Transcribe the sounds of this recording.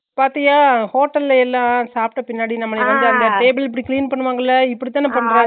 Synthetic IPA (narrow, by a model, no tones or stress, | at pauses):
paːɾt̪iŋɡaːhoːʈːɐlɛlːãːsaːp̚ʈɐpɪnːaːɽinɐmːɐɭeʋɐnd̪ɯɐnd̪ɐʈeːbɪlɪp̬ːɐɽikɪliːnpɐɳːɯʋaːŋɡɐɪlːɐɪpːɐɽɪt̪ːaːnɐpɐɳːɾẽː